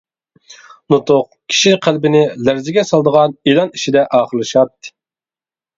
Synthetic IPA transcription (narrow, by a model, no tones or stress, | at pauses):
nut̪ʊq̚ | kʲʰi̥ʃiqʰælbɪnɪlæɾzɪɡʲɛsɑlˠd̪əʁɑnilˠɑniʃid̪ɛʔɑːχəɾlˠɨʃɑt̪ːɨ̥